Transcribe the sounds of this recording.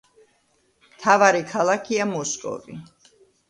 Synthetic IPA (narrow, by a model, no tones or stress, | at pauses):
mt̪ʰavaɾikʰalˠakʰiamɔskʼɔ̰vḭ